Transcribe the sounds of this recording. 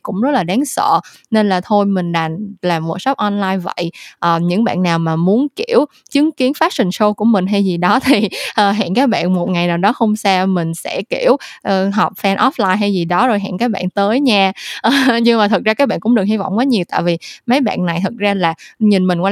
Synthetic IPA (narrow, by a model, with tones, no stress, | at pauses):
kʊ̰˧˥ŋ͡mzə˦˥t̚laː˨˩ɗaː˨˦nsə̰ː˧˨ | ne˧nlaː˨˩t̪ʰo˧jmï˨˩ŋ̟ɗa˨˩nlaː˨˩vṵ˨˩sɔ˦˥p̚ʔɔ˧nlaː˧jvə̰˧˨jʔəː˨˩ɲɨ̰˧˥ŋɓa̰ː˧˨nːaː˨˩wmaː˨˩mu˨˦ənki˧˩˨əw | t͡ɕɨ˨˦əŋki˨˦ənfaː˦˥t̚sï˨˩ŋ̟so˧ku˧˩əmï˨˩ŋ̟ɦa˧jzi˨˩ɗɔ˨˦t̪ʰi˨˩ʔəː˨˩ɦa̰ː˧˨ŋkaː˦˥k̚ɓa̰ː˧˨nmo˨˩t̚ŋa˨˩jnaː˨˩wɗɔ˨˦xə˧wŋ͡msɛː˧mï˨˩ŋ̟sɛ̰˧˥ki˧˩əwʔːɦɔ˨˩wk͡p̚fɛ˧nʔɔ˦˥f̚laː˧jɦa˧jzi˨˩ɗɔ˨˦zo˨˩jɦa̰ː˧˨ŋkaː˨˦˥k̚ɓa̰ː˧˨nt̪əː˨˦jɲaː˧˩ʔəː˨˩ɲɨ˧ŋmaː˨˩t̪ʰɨ˨˩k̚za˧kːaː˨˦˥ɓaː˧˨nkʊ̰˧˥ŋ͡mɗɨ˨˩ək̚hi˧vɔ̰˧˨ŋ͡mkaː˨˦ɲi˨˩əwt̪a̰ː˧˨jvi˨˩mə˨˦jɓa̰ː˧˨nna˨˩jt̪ʰɨ˨˩t̚zaː˧laː˨˩ɲi˨˩nmï˨˩ŋ̟kw